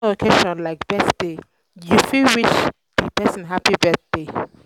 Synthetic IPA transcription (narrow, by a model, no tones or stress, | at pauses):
lokʰeʃɔ̃nlaɪk̚b̥ɛθd̥e | jufilwit͡ʃ | dəbɛsɨ̃nɦapibɛθd̥e